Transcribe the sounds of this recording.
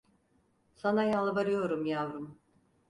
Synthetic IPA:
sanajalˠbaɾɯjo̞ɾumjavɾum

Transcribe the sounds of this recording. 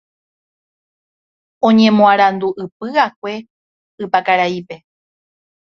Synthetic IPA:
õ̞ɲẽ̞mõaɾand̪uʔɨpɨak̚ʷe̞ | ɨpakaɾaipe

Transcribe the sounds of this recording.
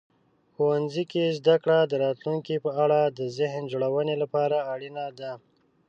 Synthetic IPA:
xuwanzikezd̪akɽad̪əɾɑt̪luŋkipəaɽad̪əzɪɦnd͡ʒoɽawənelapɑɾaːɽinad̪a

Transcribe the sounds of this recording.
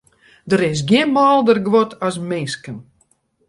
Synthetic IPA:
dəɾɪs̬ɡjɪənmaːlˠdərɡʋɔtʰasmɪnskən

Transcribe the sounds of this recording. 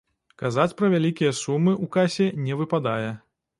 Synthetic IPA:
kazat͡sʲpɾɐvʲalʲikʲijɐsumɨʔukasʲɛnʲɛvɨpad̪ajɛ

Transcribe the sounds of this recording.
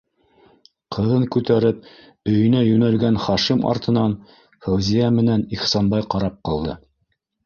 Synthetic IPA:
qʰɤ̆ðɤŋkʉt̪æɾɘp̚ | ɵ̆jɵ̆næjʉnælɡænχɑʃimɑ̰ɾt̪ɤ̆nɑn | fæwzijæmɘ̆næniχsɑnbɑjqɑɾɑp̚qɑlˠd̪ɤ̰

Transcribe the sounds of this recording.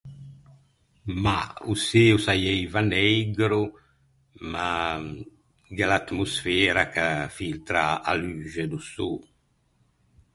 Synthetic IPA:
ma̰useusajɛjvanɛjɡɾu | ma | ɡelat̪musfɛːɾakafilt̪ɾaa̰lyːʒed̪usu

